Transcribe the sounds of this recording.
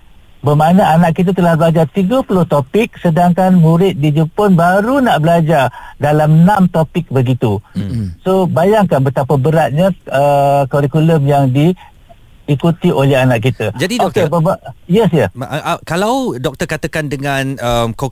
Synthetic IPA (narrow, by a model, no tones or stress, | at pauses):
bəmanaanaʔkit̪̬at̪əlahbəlad͡ʒat̪iɡapulʊht̪opɪk̚sədaŋkanmuɾɪt̪̚did͡ʒupʊnbaɾunaʔbəlad͡ʒadalamnãmt̪opɪk̚bəɡit̪usobajaŋkanbət̪apabəɾat̪̚ɲaəkoɾikuləmjaŋdiː | kut̪iʔolɛɦanaʔkit̪ad͡ʒadidokebəmajɛsjəkalawdɔk̚t̪əkat̪akandəŋanəmko